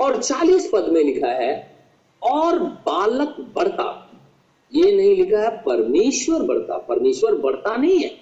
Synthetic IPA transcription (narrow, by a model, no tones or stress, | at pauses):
ɔːɾt͡ʃaːliːspɐd̪mẽlɪkʰaɦɛ | ɔːɾbaːlək̪bɐɽt̪a̰ | jeːnɐɦĩlɪkʰaɦɛpɐɾmeːʃwəɾbɐɽt̪a̰pɐɾmeːʃwəɾbɐɽt̪anɐɦĩɦɛː